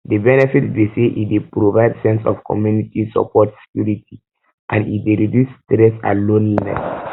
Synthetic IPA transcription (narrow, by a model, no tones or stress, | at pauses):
debɛnɛfitdeseʔḭt̚depɾovaɪdsɛ̃nsɔ̰fkʰɔ̰mjunitisɔ̰pʰɔtse̥kjuɾitʰi | ʔãnḭt̚deɾidjustɾɛsã̰lõnlinɛ̰s